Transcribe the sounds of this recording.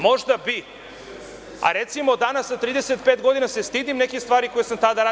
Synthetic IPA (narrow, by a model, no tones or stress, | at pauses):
moʒd̪abi | a̰ɾet̪simod̪anasat̪ɾiːd̪eset̪̚pet̪ɡod̪inasest̪id̪imnɛkist̪vaːɾikojesamt̪ad̪aɾa